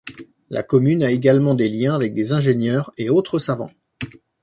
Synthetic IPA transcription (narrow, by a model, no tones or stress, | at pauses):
lʔa̰kɔmynaeɡalmɑ̃d̪eljɛ̃avɛk̚d̪ezɛ̃ʒenjœːʁeot̪χəsavɑ̰̃